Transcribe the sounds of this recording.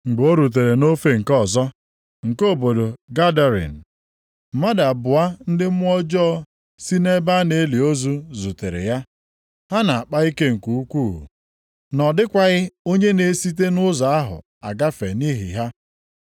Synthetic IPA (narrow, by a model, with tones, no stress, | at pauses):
ŋ͡m̩˨ɡ͡bo˦ɾu˨t̬e˨ɾe˨no˦fe˨ŋ̩˨kɔ˦˨zɔ˦ | ŋ̩˨ko˦˨bo˨do˨ɡa˦da˨ɾḭ˨n̩˨ | m̩˨ma˦da˨bʊ˨a˦n̩˦dɪ˦m̩˦ɔ˦d͡ʒɔ˦ | si˦ne˦ba˦ne˨˦li˨o˦zu˦zu˨te˨ɾḛ˨ja˦ | ɦa˦na˨a˨k͡pa˦i˦ke˦ŋ̩˨ku˨u˦kʷṵː˦˨ | nɔ˨dɪ˦kʷa˨ɣɪ˦o˦ɲe˦ne˨si˦t̬e˦nʊ˦za˨a˦ɦʊ̰˨ | a̰˨ɡa˦fe˨ni˦ɦḭ˨ɦa˦